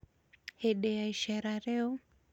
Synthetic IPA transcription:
hɛɗɛjaiʃɛɾaɾɛɔ

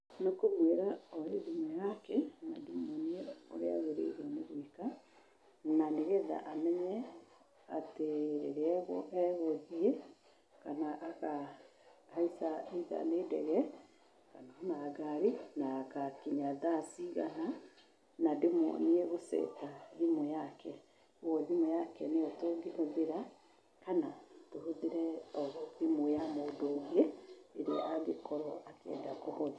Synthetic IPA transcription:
nokomweɾaɔɾedimɛjakɛnadimɔnieo̰ɾḛa̰ɣeɾḛɾɔneɣoika | naneɣɛða̰ʔamɛɲɛ | ateɾḛɾeɛɣɔ̰ʔɛɣoðiɛ | kanaʔaka | haisaiða̰neːdɛɣɛ | kanaɔnaɡaɾinakakiɲaðasiɣa̰na | nademɔ̰neɛɣosɛ̰taðimojakɛ | ɔðimojakɛneɔtoŋɡehoðeɾa | kanatohoðeɾɛɔðimojamoːdoːŋɡeeɾeeʔaɡekɔɾɔʔakɛ̰ːndakohɔða

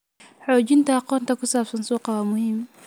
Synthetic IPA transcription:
ħɔːt͡ʃɪnt̪ʰɐɑqɔːnt̪ʰɐkʰʊsaːbsɐnsuːqɑwaːmʊhiːm

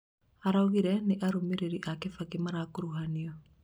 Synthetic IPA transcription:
aɾaoɣiɾɛneʔaɾomeɾeɾiʔakefaɣemaɾakoɾuɦaniɔ

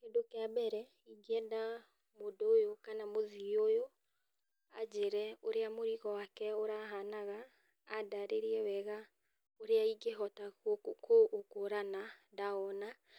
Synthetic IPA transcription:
kedokeabɛɾɛ | iɡeɛda | modojokanamoðiojo | ad͡ʑeɾɛoɾeamoɾiɣɔwakɛoɾaɦanaɣaː | daɾeɾiɛwɛɣa | oɾeaiɡeɦɔtakoːkoɾanadaɔna

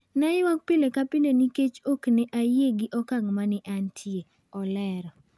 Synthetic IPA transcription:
naɪwak̚pɪlekapɪleniket͡ʃoknɛʔajeɡɪʔɔkaŋmanɪʔantʰje | ɔlɛɾɔ

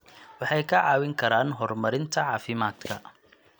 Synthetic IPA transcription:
wɑħɑjkʰɐʕɑːwɪŋkʰɐɾaːnɦɔrmɐɾɪnt̪ʰɐʕɑːfɪmaːd̪kʰɐ

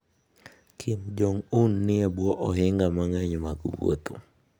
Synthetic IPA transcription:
kʰimd͡ʒoŋunːɪɛbwɔʔɔɦɪŋɡamaŋɛɲmaɡṵwo̰t̪o̰

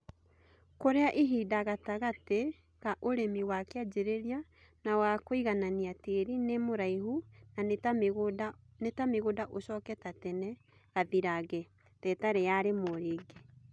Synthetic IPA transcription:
koɾeaʔiɦidaɣataɣate | ɣaʔoɾemiwakead͡ʒeɾeɾia | nawakoiɣananiateɾinemoɾaiɦuna | netameɣodaʔosɔkɛtatɛnɛ | ɣaðiɾaɣɛ | tɛtaɾɛjaɾemoɾeːɡe

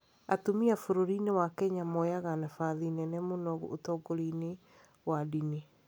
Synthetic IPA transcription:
atomiafoɾoɾinewakɛɲamɔjaɣanafaðinɛnɛmonɔɣo̰otɔɡoɾine | wadine

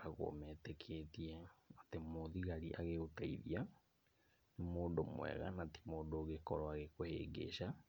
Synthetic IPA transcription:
aɣo̰mɛtɛkʰetiɛatemoðiɣaɾiʔaɣeɣotaiðḭa | nemoːdomw̰ɛ̰ɣa̰nati̥moːdoːɣekɔɾɔaɣekohḛɡḛʃa

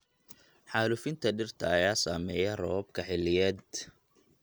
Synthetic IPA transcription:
ħaːlʊfɪnt̪ʰɐɖɪrt̪ʰɐːjaːsaːmɛːjɐrɔːb̚kʰɐħɪlːɪjɛːd̪̚

